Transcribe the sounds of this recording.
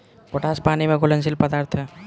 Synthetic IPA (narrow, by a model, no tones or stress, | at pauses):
koʈaːspaːnimẽkolənsɪlpəd̪aːɾt̪ʰɦɛ